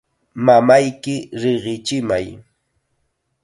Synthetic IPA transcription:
mamajkɪɾɪɢɪt͡ʃɪmaj

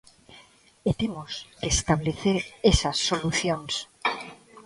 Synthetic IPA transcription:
et̪emoskest̪aβleθeɾesasːo̞luθjons

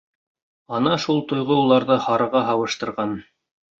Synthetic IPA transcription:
ɑnɑʃulˠt̪ŏjʁɤulˠɑɾðɤhɑɾɤ̆ʁɑɦɑwɤ̆ʃt̪ɤ̆ɾʁɑn

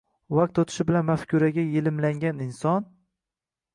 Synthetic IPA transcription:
vak̚t̪ot̪ʰɪ̥ʃɪbɪlanmafkʲʰʊɾaɡʲajelɪmlaŋɡʲanɪnsɒn

